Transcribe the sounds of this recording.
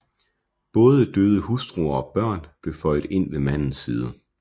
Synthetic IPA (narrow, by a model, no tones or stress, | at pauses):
b̥ɔ̽ːð̞ˠəd̥øːð̞ˠəhusd̥ʁuɐɒ̽b̥ɶɐ̰nb̥le̝fɒ̽ɪd̥e̝n̰ʋe̝mæn̰n̩siːð̞ˠə